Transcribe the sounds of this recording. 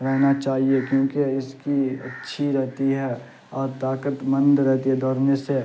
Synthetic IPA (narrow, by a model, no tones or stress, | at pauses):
ɾɛɦnat͡ʃaːɦiekjõːkeɪskiɐ̰tːʃʰiɾɛɦt̪iɦɛ | ɔːɾt̪aːkət̪mə̃nd̪ɾɛɦt̪iɦɛd̪ʱɔːɾnese